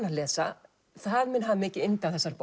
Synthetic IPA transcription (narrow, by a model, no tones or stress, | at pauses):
nalɛːsa | θaðmɛnɦavmɪːcɪɪnt̪aθɛsːaɾp